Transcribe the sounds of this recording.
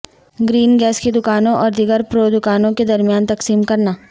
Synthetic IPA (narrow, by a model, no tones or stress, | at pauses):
ɡɾiːnɡɛːsked̪ʊkaːnõʔɔːɾd̪ɪɡəɾpɾoːd̪ʊkaːnõked̪ɐɾmijaːnt̪ɐksiːmkɐɾnaː